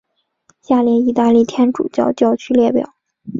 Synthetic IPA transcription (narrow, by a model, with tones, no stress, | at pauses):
ɕja˥˩ljɛ˧˩ni˥˧t̪a˥˧li˥˩t̪ʰjɛ˥nʈ͡ʂṵ˨˩t͡ɕjɑ˥˧ʊt͡ɕjɑ˥˧ʊt͡ɕʰy˥ljɛ˥˩pjɑ̰˨˩˦ʊ